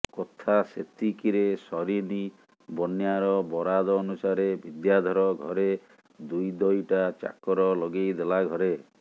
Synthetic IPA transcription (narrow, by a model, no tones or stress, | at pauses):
kot̪ʰaset̪ʰikiɾesɔɾini | bɔnjaɾɔbɔɾad̪ɔːnusaɾebʱid̪jad̪ʱɔɾɔɡʱɔɾe | d̪ujd̪ɔjʈat͡ʃa̰kɔɾɔlɔɡejd̪elaɡʱɔɾe